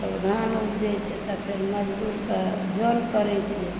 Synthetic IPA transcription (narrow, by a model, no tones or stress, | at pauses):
p | d̪ʱanupd͡ʒɛt͡ʃʰɛt̪ɔpʰeɾməd͡ʒd̪uɾt̪ɔ | d͡ʒonkəɾɛt͡ʃʰɛ